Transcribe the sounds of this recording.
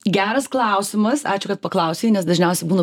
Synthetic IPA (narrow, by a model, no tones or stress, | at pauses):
ɡʲæːɾɐsklˠɑˑʊsʲɪmɐsɑ̰ːt͡ʃʲʊkɐt̪̚pɐklˠɐˑʊsʲeːnʲɛsd̪ɐʒʲnʲɛˑʊsʲɛbuːnɐ